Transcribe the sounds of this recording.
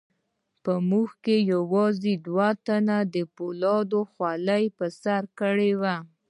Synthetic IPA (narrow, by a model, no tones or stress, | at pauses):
pəmuxkejawɑzed̪wat̪anad̪əpolɑd̪oxwalajpəsaɾkəɽewa